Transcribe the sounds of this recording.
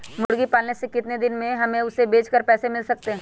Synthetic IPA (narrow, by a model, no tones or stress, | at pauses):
mʊɽɡipaːlnesekɪt̪ned̪ɪnmẽɦɐmẽʊsebeːt͡ʃkəɾpɛːsemɪlsɐk̚t̪eɦɛ̃ː